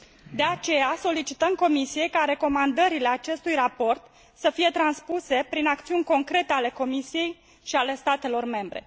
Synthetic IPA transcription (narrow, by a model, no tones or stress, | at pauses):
d̪e̞at͡ʃe̞jaso̞lit͡ʃit̪əmko̞misije̞jkaɾe̞ko̞mand̪əɾile̞at͡ʃe̞st̪ujrapo̞rt̪ | səfije̞t̪ɾanspuse̞pɾinakt̪siunʲko̞ŋkɾe̞t̪e̞ale̞ko̞misije̞j | ʃiale̞st̪at̪e̞lo̞rme̞mbɾe̞̰